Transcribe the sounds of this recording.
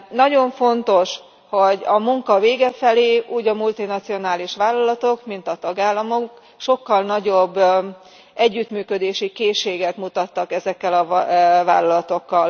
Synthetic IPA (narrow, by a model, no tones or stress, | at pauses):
nɒɟo̞ɱfo̞nt̪o̞ʃ | ho̞ɟɒmuŋkɒveːɡɛfɛleːʔuːɟɒmult̪inɒt̪sio̞naːliʃʋaːlːɒlɒt̪o̞kmint̪ɒt̪ɒɡaːlːɒmok | ʃo̞kːɒlnɒɟo̞bː | ɛɟːyt̪myːkød̪eːʃikeːʃːeːɡɛt̪mut̪ɒt̪ːɒkɛzɛkːɛlɒva̰ːlːɒlɒt̪o̞kːɒl